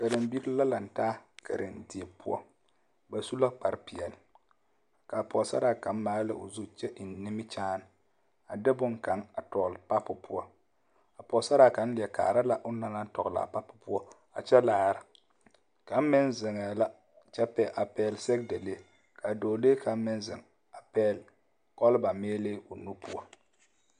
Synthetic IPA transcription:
ka˨ɾɪ˨mbi˦ɾla˦la˨n̩˨taː˦kʰɛ̰˨ɾʔɪ˨ndi˨e˨pṵ˦ɔ̰˦ | ba˨su˦la˦k͡pa˨ɾpi˨ɛ˨l | ka˨pɔ˨sa̰˦ɾa˦ka˨˦m˦maː˦lɨ˦ʔo̰˨zu˦t͡ʃɛ˦ʔɪ˨n˦nɪ˦mɪ˦t͡ʃaː˦n˨ | a˨dɪ˦bʊ˦ŋka˨ŋa˨tɔ˨ɣlpa˦pʊ˨pu˦ɔ˦ | a˨pɔ˨sa˦ɾa˦˨ka˨˦n̩˦lɪ˨ɛ˨ka̰ː˨ɾa˦la˦ʔʊ˦na˦la˦n˦tɔ˨ɣla̰˨pa˦pʊ˨pu˦ɔ˦ | a̰˨t͡ʃɛ˦laː˨˦ɾa˨ | ka˨˦m˦mɪ˦nzɪ˨ŋɛ˨la˦ | t͡ʃɛ˦pɛ˨ʔa˨pɛː˦˨lsɛ˦k̚de˨leː˦ | kʰa˨doː˨leː˦ka˨m̩˦mɪ˦nzɪ˨ŋ | a˨pɛ˦˨l | kɔ˦lba˨meː˦leː˦ʊ˨nu˦pʰu˦ɔ˦

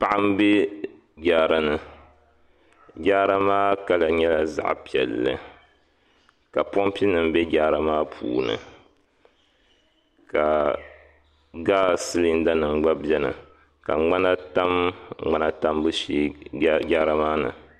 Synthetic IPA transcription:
pa˦˨ʔa˦m˦bɛ˦ | ɡʲaː˨ɾa˨nɨ˨ | ɡʲa˦ɾa˦maː˦ka˦la˨ɲɛ˦la˨za̰˦ʔpi˨ɛ˨lːɨ̰˨ | ka˨pɔ˦mpi˦nɨ˨mbɛ˦ɡʲaː˦ɾa˦maː˦pʰṵː˨nɨ̰˨ | ka˨ | ɡaː˦sɨ˦li˦n˦da˦nɨ˨ŋ˦ɡ͡ba˦bjɛ˦nɨ̰˨ | ka̰˨ŋ͡ma˦na˦ta˦mŋ͡ma˦na˦ta˦mbɨ˦ʃeː˦ɡʲaː˦ɾa˦maː˦nɨ̰˨

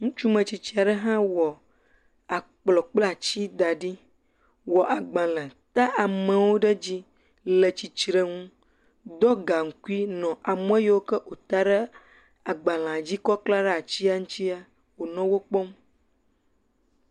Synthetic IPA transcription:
ŋũ˦t͡ʃu˦mɛ̃˨t͡ɕi˨t͡ɕi˦a˨ɖə˦ɦã˦wɔ˨ | a˨k͡plɔ˨k͡pla˦˨t͡ɕi˦d̪a˨ɖi˦ | wɔ˨ʔa˨ɡ͡bã˨lə̃˨t̪a˦ʔa˨mɛ̃˨wo˦ɖə˦d͡ʑi˦ | lə˨t͡ɕi˨t͡ʃɾe˦ŋũ˦ | d̪ɔ˦ɡa˨ŋ̩˨ku˦i˦nɔ̃˨ʔa˨m˦ɛ̃˦je˦wo˦kə˦ʔo˨t̪a˦ɖə˦ | a˨ɡ͡bã˨l̃ã˨d͡ʑi˦kɔ˦k͡pla˦ɖɛ˦a˨t͡ɕi˦a˦ŋũ˦t̪i˦a˦ | wo˨nɔ̃˦wo˦k͡pɔ˦m˦

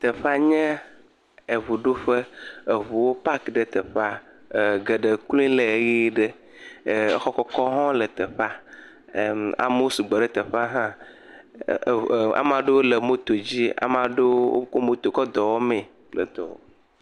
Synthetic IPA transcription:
t̪ə˨ɸa˦ɲɛ̃˦ | e˨βu˨ɖo˦ɸe˦e˨βu˨wo˦pa˦kɖə˨t̪ə˨ɸa˦˨ | ɡə˨ɖə˨klĩ˦le˨ɣi˦ɖə˦˨˦ | xɔ˦kɔ˦kɔ˦ɦɔ̃˦lə˨t̪ə˨ɸa˦˨ | a̰˨m˦wo˦su˨ɡ͡bɔ˨ɖə˦t̪ə˨ɸa˦ɦã˦˨ | a̰˨mã˨ɖe˦wo˦le˨mo˦t̪o˨d͡ʑi˦a̰˦mã˨ɖe˦wo̰˦ko˦mo˦t̪o˨kɔ˦d̪ɔ˨wɔ˦mẽ˨ | lə̰˨t̪ɔ̰˨

